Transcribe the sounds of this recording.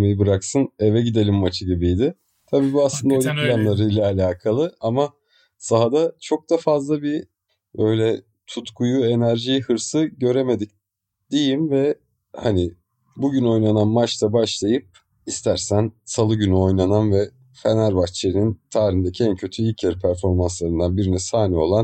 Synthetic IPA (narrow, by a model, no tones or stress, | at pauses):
mejibɯɾaksɯne̞vɛɟid̪e̞lʲimːat͡ʃʰɯɟibijd̪ɪ | t̪ʰabiːbuaslˠɯnd̪aolʲupʰilʲanlˠaɾɯjlʲˠaːlʲaːkʰalˠɯama | saɦad̪at͡ʃʰo̞k̚d̪̥afazlˠabi | bø̞jlʲɛ | t̪ʰut̪kʰujue̞næɾʒijhɯɾsɯɟø̞ɾe̞me̞d̪ic̚ | d̪̥ejimvɛ | hanɪ | buɟyno̞jnananmat͡ʃt̪abaʃlˠajɯp̚ | ist̪ʰæɾsænsalˠɯɟynyo̞jnananvɛ | fenæɾbat͡ʃʰeinint̪ʰaːɾind̪ecʰiɛncʰø̞t̪ʰyilʲcʰæɾpʰæɾfo̞ɾmanslˠaɾɯnd̪anbiɾinɛsaːnio̞̰lˠan